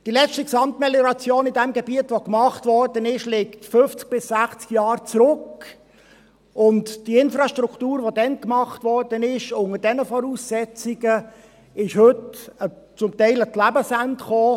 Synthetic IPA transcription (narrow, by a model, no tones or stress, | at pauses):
d̥ilɛt͡stiksɑmtmeljɔɾɑt͡sjoːnɪdɛmɡebiətʋokmɑχtvɔɹdənɪʃlɛktfʏft͡sk̚b̥ɪsːæχt͡skjɑːɾt͡sɾʊk | ʊntd̥iɪnfrɑʃtɾuktuːɾʋodɛnkmɑχtvɔɹdənɪʃʊŋədɛnəfɔɾuːsːɛt͡siɡə | ɪʃhʏtə | t͡sʊmtɛɪlətlæbəsæntχoː